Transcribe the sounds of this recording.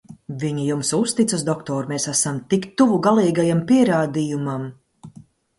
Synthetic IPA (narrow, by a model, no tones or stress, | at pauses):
viɲijumsust̪it̪susd̪ɔkt̪ɔːɾmesæsamt̪ikt̪uvuɡalˠiːɡajampiɛɾaːd̪ijumam